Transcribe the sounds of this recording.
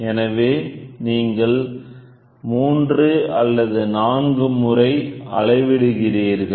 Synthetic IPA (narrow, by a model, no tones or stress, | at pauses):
ɛnɐʋeːniːŋɡɐɭ | muːndrɯɐlːɐðɯnaːŋɡɯmɯrɐɪʔɐ̰ɻɐɪʋɪɽɯɣɪriːɾɣɐɭ